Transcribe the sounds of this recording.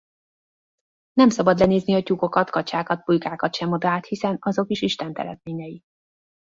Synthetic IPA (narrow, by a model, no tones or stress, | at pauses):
nɛmsɒbɒd̪lɛneːzniɒcuko̞kɒt̪kɒt͡ʃaːkɒt̪̚bujkaːkɒt̪ʃɛmo̞d̪aːt̪hisɛnɒzo̞kiʃiʃt̪ɛnt̪ɛ̰ɾɛ̰t̪meːɲɛji